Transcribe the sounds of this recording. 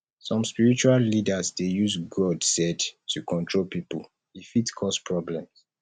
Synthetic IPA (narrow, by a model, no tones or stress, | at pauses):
sɔ̃mspiɹit͡ʃuallidazdejuzɡɔdsɛdtʰukɔ̃ntʰɹolpipul | ifitkʰɔspʰɹɔblɛ̃ms